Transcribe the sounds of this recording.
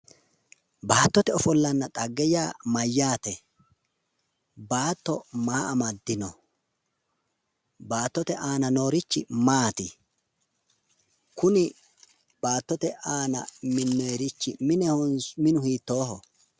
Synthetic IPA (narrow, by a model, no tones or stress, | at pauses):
baːt̪ːɔt̪ɛɔfɔlːɐnːɐt̪ʼɐɡːɛjaːmɐjːaːt̪ɛ | baːt̪ːɔmaːʔɐmɐd̪ːɪnɔ | baːt̪ːɔt̪ɛʔaːnɐno̞ːɾɪt͡ʃːɪmaːt̪ɪ | kʊnɪ | b̥aːt̪ːɔt̪ɛʔaːnɐ̰mɪnːɔɛɾɪt͡ʃːɪmɪnɛhɔnsmɪnʊhiːt̪ːo̞ːɦɔ